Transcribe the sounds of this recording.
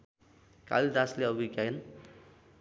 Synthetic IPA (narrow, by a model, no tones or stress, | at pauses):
ka̰lid̪asleʌbikajn